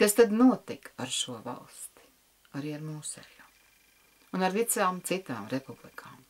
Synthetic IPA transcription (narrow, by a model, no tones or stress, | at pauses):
kast̪ad̪nuɔt̪ikaɾʃuɔva̰lˠst̪i̥ | aɾiːaɾmuːsɛ̰ja | unaɾt̪it̪saːmt̪sit̪a̰ːmɾepublˠikʰaːm